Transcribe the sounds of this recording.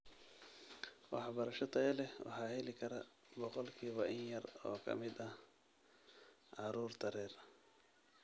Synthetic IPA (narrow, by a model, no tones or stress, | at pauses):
wɑ̰ħbɐɾɐʃɐt̪ʰɐɛlɛwɑ̰ħɑːhɛlɪkʰɐɾɐ | bɔqɔlkʰiːβɐʔɪnjɐrɔːkʰɐ̰mɪd̪ɐ | ʕɑɾuːrt̪ʰɐɾɛːr